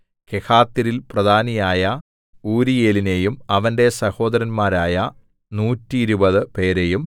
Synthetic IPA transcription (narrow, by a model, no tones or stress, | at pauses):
kekaːt̪ːiɾilprɐd̪ʱaːnɐjaːjɐ | uːɾijeːline̞jumɐʋɐnde̞sɐho̞ːd̪ɐɾɐnmaːɾaːjɐ | nuːtːiːɾubɐðɨpe̞ːɾe̞jum